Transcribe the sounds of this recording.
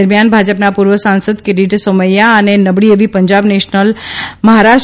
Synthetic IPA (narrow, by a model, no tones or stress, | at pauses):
əɾmjanbʱad͡ʒəpnapuɾʋəsãnsəd̪keɖiʈsoməjaənenəbɽiəʋipəɲd͡ʒabneʃnəlməɦaɾaʃ